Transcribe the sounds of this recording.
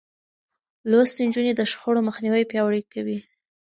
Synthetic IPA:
lost̪end͡ʒuned̪əʃxoɽoməxniwəjpjɑwɽikawi

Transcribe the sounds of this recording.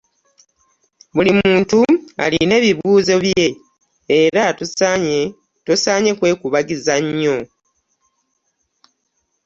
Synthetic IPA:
βulimuːntua̰line̞ːβiβuːzo̞βje̞ | eɾa | tosaːɲe̞kwe̞ːkuβaɡizaɲːo̞

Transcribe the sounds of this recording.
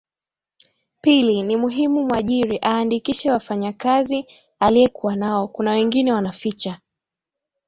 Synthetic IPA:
pilinimuɦimumwaʄiɾiʔaːndikiʃɛwafaɲakazi | aliɛkuwanaɔkunawɛŋɡinɛwanafit͡ʃa

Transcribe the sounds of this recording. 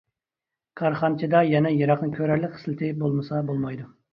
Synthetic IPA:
kʰɑɾχɑnt͡ʃʰɪd̪ɑjɛnɛjɑɾɑqnɨkʲʰøɾæɾlɪkʲχslɪt̪ʰɪbolˠmɨsɑbolˠmɑjd̪u

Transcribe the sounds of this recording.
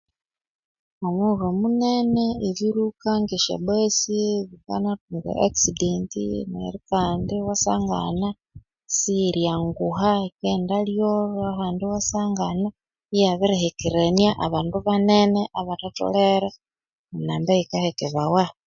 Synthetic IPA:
omwuβomuneneeβiɾukaŋɡiʃḛβesiβika̰natuŋɡḛʔaksidentḭnḛɾikaːndiwasaːŋɡa̰na | siɾjaŋɡuɦaekendaljoɾahaːndiwasaːŋɡana | ijaβiɾihekiɾenjaʔaβaːnduβaneneʔaβatato̰leɾa | munaːmbaikahekeβawa

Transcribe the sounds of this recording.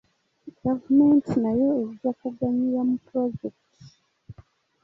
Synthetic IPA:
ɡ̥avumentinajo̞ezizakuɡaɲiɾamupɾoɟekti̥

